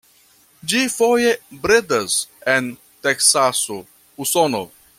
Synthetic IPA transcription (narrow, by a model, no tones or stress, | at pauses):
d͡ʒifojebɾedasen | teksaso | usono̰